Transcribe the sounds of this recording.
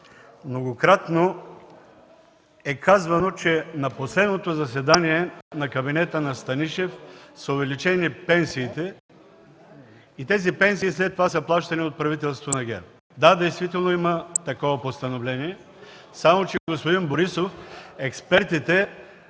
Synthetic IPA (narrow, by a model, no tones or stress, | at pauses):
mnoɡokɾat̪no | ɛkʰazvɐnot͡ʃɛnɐposlɛd̪not̪ozɐs̬ɛd̪aniɛnɐkɐbinɛt̪ənɐst̪ɐniʃɛfsəovɛlit͡ʃɛnipɛnsiːt̪ɛ | it̪ɛzipɛnsiːslɛt̪ːovasəplˠaʃt̪ɐniot̪̚pɾɐvit̪ɛlˠst̪vonɐɡʲɛ̰ɾ | d̪ad̪ɛjst̪vit̪ɛlˠnoimət̪ɐkɔvɐpost̪ɐnovlɛniɛ | samot͡ʃɛɡospod̪inboɾisofɛkspɛɾt̪it̪ɛ